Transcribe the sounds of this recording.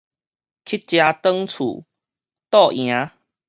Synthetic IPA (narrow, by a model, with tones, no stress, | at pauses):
kʰi˦˥t̚t͡ɕja˧t̪ə˦˥ŋt͡sʰṵ˨˩ | t̪ɔ˥˨ʔj̃ã˨˧˦